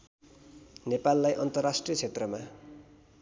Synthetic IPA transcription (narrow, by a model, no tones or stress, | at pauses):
nepalːajʔʌnt̪ʌrːasʈrijʌt͡sʰet̪rʌma